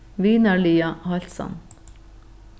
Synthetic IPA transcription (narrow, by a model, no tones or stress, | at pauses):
ʋiːnɑɭiːɑhɑlsɔ̰n